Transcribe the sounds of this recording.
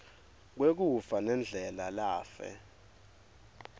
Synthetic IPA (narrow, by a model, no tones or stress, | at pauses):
k̬wek̬ufanɛnd͡ɮʱɛlalaːfɛ̰